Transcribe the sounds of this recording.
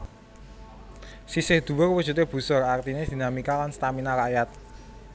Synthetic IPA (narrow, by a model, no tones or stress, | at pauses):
sisɪhd̪̥ṳwʊrwud̥ʒ̥ṳt̪eb̥ṳsɔrart̪ined̪̥i̤namikalanst̪aminakajat̪̚